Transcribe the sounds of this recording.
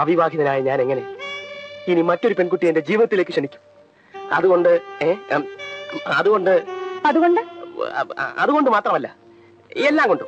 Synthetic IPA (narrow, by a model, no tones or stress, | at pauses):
ɐʋiʋaːɡʱjiɐðɐnaːjɐɲaːne̞ŋːɐne̞ | inimɐtːo̞ɾupe̞nkuʈːijende̞d͡ʑiːʋiðɐt̪ːile̞ːkːɨʂeɳikʲːu̥m | ɐ̰ðuɣo̞ɳɖɨeː | ɐðuɣo̞ɳɖɨɐðuɣo̞ɳɖɨ | ɐ̰ðuɣo̞ɳɖɨmaːt̪rɐmɐlːɐ | elːaːmŋko̞ɳɖu